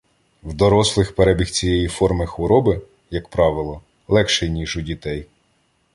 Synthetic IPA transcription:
wd̪ɔɾɔslˠɪxpeɾɛbʲixt͡sʲijɛjifɔrmɪxʋɔɾɔbɪ | jɐkpɾɑʋɪlˠɔ | lˠɛkʃɛjnʲiʒʊdʲit̪ɛj

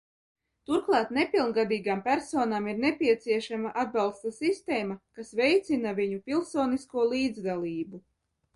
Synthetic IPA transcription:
t̪uɾklˠɑːt̪nepilˠnɡad̪iːɡaːmpʲæɾsoːnaːmiɾnepʲiɛt̪siɛʃamaʔad̪̚bɑlˠst̪asist̪eːmakasvɛjt̪sinaviɲupʲilˠsoːniskuɔlˠiːd̪zd̪alˠiːbu

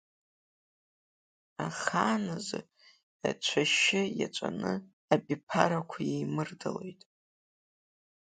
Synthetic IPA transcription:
aχaːnazɨ | a̰t͡ʃʷʰaʃɪjat͡ʃʷʼanɨ | abʲʼipʰaɾakʷʰajejmɨrdalojtʼ

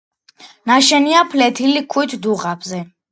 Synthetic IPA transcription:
naʃɛniapʰlɛt̪ʰilikʰuit̪ʰd̪uʁabzɛ

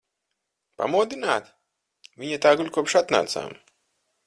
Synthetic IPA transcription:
pa̰mɔːd̪inaːt̪ | vʲiɲʲɛt̪aːɡulʲkɔpʃat̪na̰ːt̪sa̰ːm

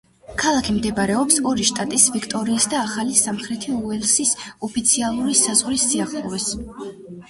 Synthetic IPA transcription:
kʰalˠakʰimd̪ɛbɾɛɔpsɔɾiʃt̪ʼat̪ʼisvikʰt̪ʼɔɾiːsd̪aːχalisamχɾɛt̪ʰiuɛlˠsisɔpʰit̪sʰialˠuɾisazʁɾisːiaχlˠɔvɛs

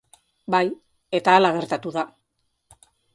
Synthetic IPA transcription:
baj | e̞t̪aːlaɣ̞e̞ɾt̪at̪uða

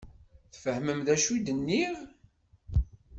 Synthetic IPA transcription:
θfəhməmðæʃud̪ənːiv

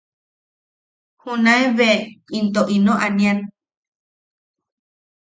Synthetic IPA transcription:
hunãeβeint̪oʔinõʔaniãn

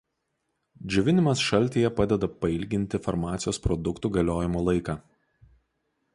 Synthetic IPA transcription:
d͡ʒʲʊʋʲɪnʲɪmɐsʃɐlʲt̪ʲiːjɛpɑːd̪ʲɛd̪ɐpɐɪlʲɡʲɪnʲt̪ʲɪfɐɾmɑːt̪sʲɪjoːspɾɔd̪ʊkt̪uːɡɐlʲoːjɪmoːlˠɐɪkɑː

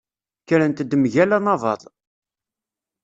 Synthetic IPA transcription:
kːəɾənt̪əd̪ːmʝælænɑvˤɑ̰ðˤ

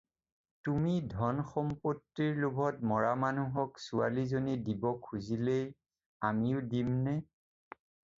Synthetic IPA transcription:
tumidʱɔnxɔmpotːiɹlubʱɔtmɔɹamanuɦɔksua̰lizonidibɔkʰːuzilej | amiʊdimnɛ

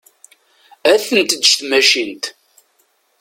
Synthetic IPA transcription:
æθənt̪d̪əʃt̪mæʃint̪

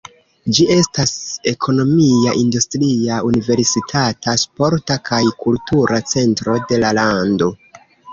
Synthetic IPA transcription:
d͡ʒie̞stase̞kʰo̞no̞miaʔindustɾiaunive̞ɾsitʰataspo̞ɾtakʰajkultuɾat͡se̞ntɾo̞de̞lalando̞

